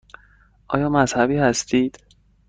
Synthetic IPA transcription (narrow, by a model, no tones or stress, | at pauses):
ʔɒːjɒːmæz̥hæbiːhæst̪ʰiːd̪̥